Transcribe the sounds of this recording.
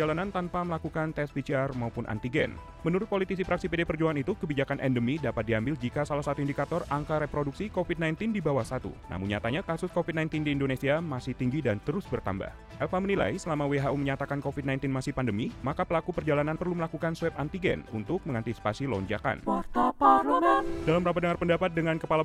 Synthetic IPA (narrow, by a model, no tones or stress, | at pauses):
d͡ʒalanant̪anpaməlakukant̪ɛspit͡ʃiarmaupʊnʔa̰nt̪iɡɛ̰n | mənuɾʊt̪̚polit̪isipɾaksipedepərd͡ʒuaŋanit̪ukəbid͡ʒakanʔɛndəmidapat̪̚diambɪld͡ʒikasalahsat̪uindikat̪ɔrʔaŋkaɾepɾoduk̚sikofit̪̚najnt̪ɪndibawahsat̪ṵna̰mʊnɲat̪aɲakasʊskofit̪najnt̪ɪndiːndonesiamasɪht̪iŋɡidant̪əɾʊsbərt̪a̰mba̰h | ʔɛlfamənila̰jsəlamaweɦaʔuməɲat̪akankofit̪najnt̪ɪnmasɪhpandəmimakapəlakupərd͡ʒalananpərluməlakukanswɛp̚ant̪iɡɛ̰nṵnt̪ʊk̚məŋant̪isi̥pasilɔ̰ɲd͡ʒa̰ka̰nat̪apaləmɛdalamɾapadəŋarpəndapat̪̚dəŋankəpala